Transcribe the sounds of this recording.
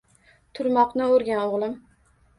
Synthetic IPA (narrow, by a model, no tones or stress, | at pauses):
t̪ʰʊɾmɒqnɪoɾɡʲanoʁlˠɪm